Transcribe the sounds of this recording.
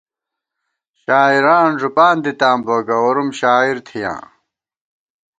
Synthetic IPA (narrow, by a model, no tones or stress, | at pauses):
ɕaːiɾaːnʐupaːnd̪it̪aːmboːɡɐoɾumɕaːiɾt̪ʰijã̰ː